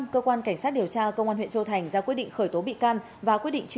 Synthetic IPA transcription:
kəː˧kwaː˧nka˧˩jŋ̟saː˦˥t̚ɗi˨˩əwt͡ɕaː˧kə˧wŋ͡mʔaː˧nwḭ˧˨nt͡ɕə˧wt̪ʰa˨˩jŋ̟zaː˧kwi˦˥t̚ɗḭ˧˨ŋ̟xəː˧˩jt̪o˨˦ɓḭ˧˨kaː˧n | vaː˨˩kwi˦˥ət̚ɗḭ˧˨ŋ̟t͡ɕ

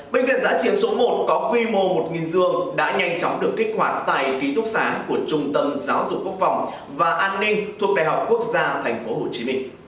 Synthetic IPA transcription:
ɓe˧nɣḭ˧˨nzaː˨˦t͡ɕi˨˧˦ənso˨˦mo˨˩t̚kɔ˨˦kwi˧mo˧mo˨˩t̚ŋi˨˩nzɨ˧˩əŋɗa̰ː˧˥ɲa˧jŋ̟t͡ɕɔ˨˦wŋ͡mɗɨ˨˩əkːi˦˥k̟̚hwaː˨˩t̪a̰ː˧˨jki˨˦t̪ʊ˦˥k̚saː˨˦ku˧˩ət͡ɕʊ˧ŋ͡mt̪ə˧mzaː˨˦wzʊ̰˨˩k͡p̚kːu˦˥əkfa˨˩wŋ͡m | vaː˨˩ʔaː˧nːï˧ŋ̟t̪ʰu˨˩ək̚ɗa̰ː˨˩jɦa˨˩wk͡p̚ku˦˥ək̚zaː˧t̪ʰɛ˨˩jŋ̟fo˨˦ɦo˧˨˩t͡ɕi˨˦mï˧ŋ̟

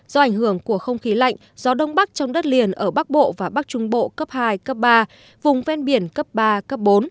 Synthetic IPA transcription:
zɔ˧ʔa˧˩jŋ̟hɨ˧˩əŋku˧˩əxə˧wŋ͡mxi˨˦la̰˧˨jŋ̟z̥ɔ˨˦ɗə˧wŋ͡mɓa˦˥k̚t͡ɕɔ˧wŋ͡mɗə˦˥t̚li˨˩ənʔəː˧˩ɓa˦˥k̚ɓo̰˧˨vaː˨˩ɓa˦˥k̚t͡ɕʊ˧˦ŋ͡mɓo̰˧˨kə˦˥p̚haː˧jkə˦˥p̚ɓaː˧ | vʊ˨˩ŋ͡mvɛ˧nɓi˧˩ənkə˦˥p̚ɓaː˧kə˦˥p̚ɓo˨˦n

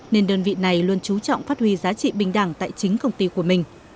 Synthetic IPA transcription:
ne˧nɗəː˧nvḭ˧˨na˨˩jlu˧ənt͡ɕu˨˦t͡ɕɔ̰˧˨wŋ͡mfaː˦˥t̚hwi˧zaː˨˦t͡ɕḭ˧˨ɓï˧˩ŋ̟ɗaː˧˩ŋt̪a̰ː˧˨jt͡ɕï˨˦ŋ̟kə˧wŋ͡mt̪i˧ku˧˩əmï˨˩ŋ̟

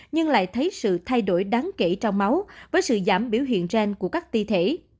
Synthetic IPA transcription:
ɲɨ˧ŋla̰ː˧˨jt̪ʰə˨˦jsɨ̰˧˨t̪ʰa˧jɗo˧˩jɗaː˨˦ŋke˧˩t͡ɕɔ˧wŋ͡mma˨˦wvəː˨˦jsɨ̰˧˨zaː˧˩mɓi˧˩əwɦḭ˧˨ənzɛ˧nku˧˩əkaː˦˥k̚t̪i˧t̪ʰe˧˩

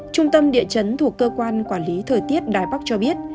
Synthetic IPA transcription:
t͡ɕʊ˧ŋ͡mt̪ə˧mɗḭ˧˨ət͡ɕə˨˦nt̪ʰu˨˩əkːəː˧kwaː˧nkwaː˧˩nli˨˦t̪ʰəː˨˩jt̪i˦˥ət̚ɗaː˨˩jɓa˦˥k̚t͡ɕɔ˧ɓi˦˥ət̚

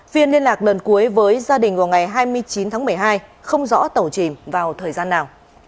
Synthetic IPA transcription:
fi˧ənli˧ənlaː˨˩k̚lə˨˩nku˨˦əjvəː˨˦jzaː˧ɗï˨˩ŋ̟vaː˨˩wŋa˨˩jɦaː˧jmɨ˧əjt͡ɕi˨˦nt̪ʰaː˨˦ŋmɨ˨˩əjɦaː˧jxə˧wŋ͡mzɔ̰˧˥t̪ə˨˩wt͡ɕi˧˩mvaː˨˩wt̪ʰəː˨˩jzaː˧nːaː˨˩w

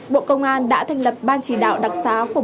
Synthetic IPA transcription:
ɓo̰˧˨kə˧wŋ͡mʔaː˧nɗa̰ː˧˥t̪ʰɛ˧jŋ̟lə˨˩p̚ɓaː˧nt͡ɕi˧˩ɗa̰ː˧˨wɗa˨˩k̚saː˨˦ku˧˩ə

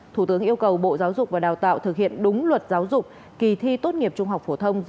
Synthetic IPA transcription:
t̪ʰu˧˩t̪ɨ˨˦əŋʔi˧əwkə˨˩wɓo̰˧˨zaː˨˦wzʊ˨˩k͡p̚vaː˨˩ɗaː˨˩wt̪a̰ː˧˨wt̪ʰɨ˨˩k̚hḭ˧˨ənɗʊ˨˦ŋ͡mlwə˨˩t̚zaː˨˦wzʊ˨˩k͡p̚ | ki˧˩t̪ʰi˧t̪o˦˥t̚ŋi˨˩əp̚t͡ɕʊ˧ŋ͡mɦa˨˩wk͡p̚fo˧˩t̪ʰə˧wŋ͡m

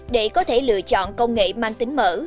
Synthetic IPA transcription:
ɗe˧˩˦kɔ˨˦t̪ʰe˧˩lɨ̰˧˨ət͡ɕɔ̰˧˨nkə˧wŋ͡mŋḛ˧˨maː˧ŋt̪ï˨˦ŋ̟mə̰ː˧˥

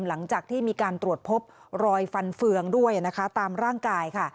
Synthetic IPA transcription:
mla˩˦ŋt͡ɕaː˨˩k̚t̪ʰiː˥˩miː˧kaː˧nt̪ɾu˨˩ət̪̚pʰo˦˥p̚ | ɾɔː˧jfa˧nfɯ˧əŋdu˥˩əjna˦˥kʰa˦˥t̪aː˧mɾaː˥˩ŋkaː˧jkʰa˥˩

